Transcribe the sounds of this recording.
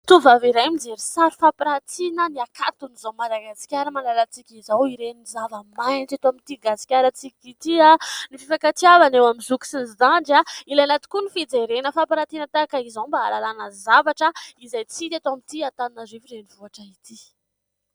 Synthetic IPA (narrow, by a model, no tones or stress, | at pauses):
t̪uvaviɾajmid͡zeɾisaɾifapɾat̪inəniakat̪unizowmad̪aɡasi̥kʲaɾəmalalat͡sikʲizawiɾenizavəmajnt͡sat̪oamint̪iɡasi̥kʲaɾat͡sikʲit̪ianififakat̪iavanewamizuki̥sinzd̪aɳɖ͡ʐailajanat̪i̥kunifid͡zeɾenəfapɾat̪inət̪akaizawmba̰ːlalanəzavaʈ͡ʂəizajt͡sit̪et̪oamit̪iat̪aninaziviɾenivuaʈ͡ʂait̪i